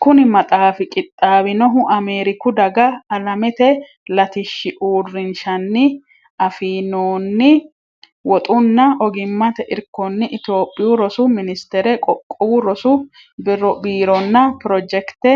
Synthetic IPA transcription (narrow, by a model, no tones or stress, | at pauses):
kʊnɪmɐt̪ʼaːfɪkʼɪt̪ʼːaːbɪnɔɦʊʔɐme̞ːɾɪkʊd̪ɐɡɐːlɐmɛt̪ɛ | lɐt̪ɪʃːɪʔuːrːɪnʃɐnːɪ | ɐfiːnoːnːɪ | wɔt̪ʼʊnːɐʔɔɡɪmːɐt̪ɛʔɪɾkːɔnːɪʔɪt̪jo̞ːpʼːɪjʊɾɔsʊmɪnɪst̪ɛɾɛkʼɔkʼːɔwʊɾɔsʊ | bɪrɔbiːɾɔnːɐpɪɾɔd͡ʒɛkt̪ɛ